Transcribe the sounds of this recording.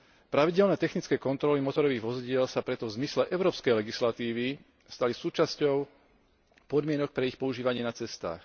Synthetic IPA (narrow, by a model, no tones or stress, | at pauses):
pɾaʋiɟɛlnɛːt̪ɛxnit͡skɛːkɔnt̪ɾɔlimɔt̪ɔɾɔʋiːɣʋɔziɟɪɛlsapɾɛt̪ɔvzmislɛʔɛʊɾɔːpskɛjlɛɡislat̪iːʋi | st̪alisuːt͡ʃascɔʊ | pɔd̪mɪɛnɔk̚pɾɛixpɔuʒiːʋaɲɪɛnat͡sɛst̪a̰ːx